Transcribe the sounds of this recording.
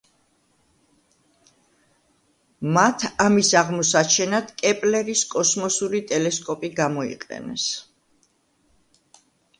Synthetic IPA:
mat̪ʰamisaʁmɔsat͡ʃʰɛnad̪kʼɛpʼlɛɾiskʼɔsmɔsuɾit̪ʼɛlɛskʼɔpʼiɡamɔḭqʼɛ̰nɛ̰s

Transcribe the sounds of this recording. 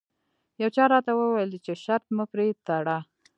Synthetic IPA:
jawt͡ʃɑɾɑt̪awəwajlt͡ʃeʃaɾt̪mupɾet̪aɽɑ

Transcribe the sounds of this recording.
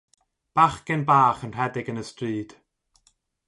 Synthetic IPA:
b̥aχkɛnbaːχənr̥ɛdɪɡənəstriːd̥

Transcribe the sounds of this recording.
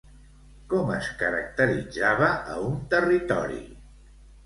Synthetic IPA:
kɔməskəɾək̚t̪əɾid͡zaβəə̰unt̪ərit̪ɔ̰ɾḭ

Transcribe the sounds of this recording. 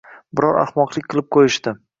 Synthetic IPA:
bɪɾɒɾa̰χmɒqlˠɪkʲqʰɨlˠɪp̚qʰojɪʃt̪ɪ

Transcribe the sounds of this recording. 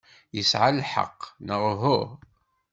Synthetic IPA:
jəsʕalħə̰qːnəʁˤɦʊʁ

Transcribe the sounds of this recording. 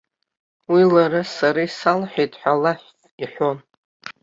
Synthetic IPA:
wilaɾasaɾaisalħʷᶣejtʼħʷᶣalaħʷt | iħʷon

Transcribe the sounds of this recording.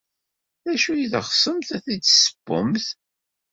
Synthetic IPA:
æʃujiðʁsˤəmθæθidsə̥bːʊ̰mθ

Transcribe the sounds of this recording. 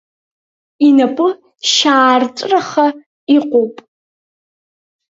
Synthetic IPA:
inɐpʰʼɨ | ʃaːrt͡sʷʼraχɐ | iqʷʼopʼ

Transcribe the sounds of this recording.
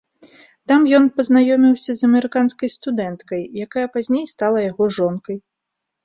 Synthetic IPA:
t̪amjɔnpɐznajɔmʲiwsʲɐzɐmɛɾɨkanskɐjst̪ud̪ɛnt̪kɐjːakajɐpazʲnʲejst̪alˠɐjaɣɔʐɔnkɐj

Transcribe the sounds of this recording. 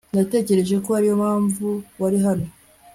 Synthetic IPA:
nate̞ːce̞ɾe̞ʒe̞ko̞haɾijo̞maːɱvuwaɾiɦano̞

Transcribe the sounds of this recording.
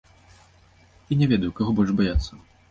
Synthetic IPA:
inʲɛvʲɛd̪ɐjwkaɣɔbɔlʲʐbajat̪sːɐ

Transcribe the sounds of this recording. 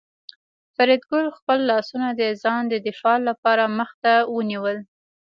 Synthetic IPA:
faɾid̪ɡʊlxpəlːɑsunad̪əzɑnd̪əd̪ɪfɑlapɑɾaməxt̪awəniwəl

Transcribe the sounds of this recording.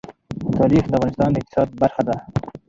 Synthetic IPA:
t̪ʰɑːɾixd̪əavʁɑnɪst̪ɑːnd̪əɪk̚t̪ɪ̥sɑːd̪̚baɾxad̪a

